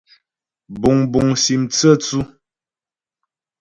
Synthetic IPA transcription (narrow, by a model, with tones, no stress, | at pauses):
bu˨ŋbu˨ŋsi˨mt͡sə˦t͡su˦